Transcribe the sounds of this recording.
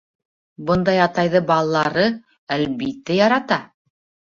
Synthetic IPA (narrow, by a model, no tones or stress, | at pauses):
bɤnd̪ɑjɑt̪ɑjðɤbɑlˠɑlˠɑɾɤ | ælbit̪ːæjɑɾɑt̪ɑ